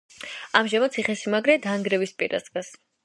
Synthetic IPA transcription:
amʒamat̪sʰiχɛsimaɡɾɛd̪aŋɡɾɛvispʼḭɾa̰sɡas

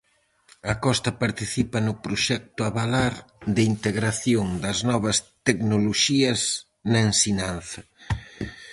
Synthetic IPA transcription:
ɐkɔst̪ɐpaɾt̪iθipɐnʊpɾoʃɛk̚t̪ʊaβalaɾðɪint̪eɣɾaθjoŋd̪ɐznɔβɐst̪eknoloʃiɐs | nɐensiɲanθɐ

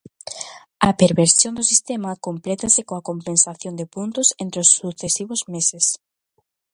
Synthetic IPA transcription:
ɐpeɾβeɾsjõnd̪ʊsist̪emɐkomplɛt̪ɐsɪkoɐkompẽnsaθjond̪ɪpunt̪ʊsent̪ɾɪosːuθesiβʊzmeses

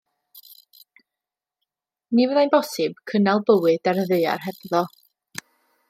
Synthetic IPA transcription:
nivɛðajnbɔsɨb̥kʰənalˠbəwɨdaɾəðeɨa̰rɦɛb̥ðɔ

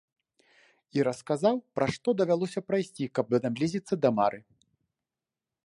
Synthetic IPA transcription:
iɾɐskazawpɾaʂt̪ɔd̪ɐvʲalˠɔsʲɐpɾajsʲt͡sʲikɐb̚vzamlʲizʲit̪sːɐd̪ɐmaɾʔɨ

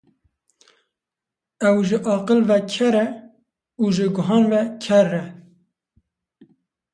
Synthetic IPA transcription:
ɛwʒəʔɑːqəlvɛkʰɛɾɛ | uʒəɡʊɦɑːnvɛkʰɛrːɛ

